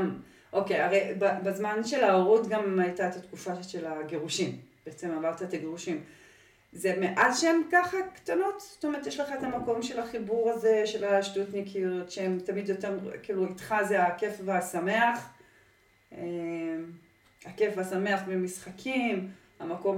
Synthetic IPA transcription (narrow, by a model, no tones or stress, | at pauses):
ʔo̞kejaʁejbabazmanʃe̞laoʁutɡamajtaet̪at̪kufaʃelaɡe̞ʁuʃimb̥eet͡se̞mavaʁt̪aet̪aɡeʁuʃim | ze̞meʔazʃeemkaχakt̪ano̞t̪z̥o̥t̪omeʁt̪jeʃleχaet̪amako̞mʃe̞laχibuʁazeʃe̞laʃtutnikʰilotʃeemt̪amidjo̞teʁkiːluit̪χazeake̞fveasame̞aχ | em | hake̞fvasame̞aχvemisχakʰim | hamako̞m